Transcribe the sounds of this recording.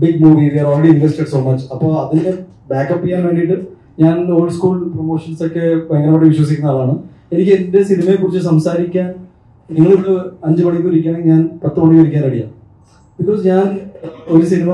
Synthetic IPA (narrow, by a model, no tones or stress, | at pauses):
biɡmuːʋiʋiɐɾoːlːeɽiinʋesʈeɖso̞ːmɐt͡ɕːɐpːoːɭɐðinːe | baːkːɐpːijaːnʋe̞ːɳɖiʈːɨ | ɲaːnoːɭskuːlpromo̞ːʂɐnsokːeʋeŋːɐnɐmoʈːeʋiɕwɐs̬ikʲːunɐaːɭaːɳɨ | enikʲːɨende̞sinimɐjekːurit͡ɕːɨsɐmsaːɾikʲːaːn | niŋːɐɭoɽɨɐɲd͡ʑɨmɐɳik̪̬ːuɾikʲːaːneɲaːnprɐt̪ːoːɳiʋɐɾikʲːaːnɐɽija̰ː | b̥ikːo̞ːsɲaːnoɾusinimɐ